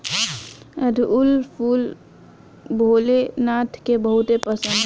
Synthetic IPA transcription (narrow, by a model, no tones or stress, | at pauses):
əd̪ʱʊlpʰuːl | bʱoːlenaːt̪ʰkebəɦut̪epəsə̃nd̪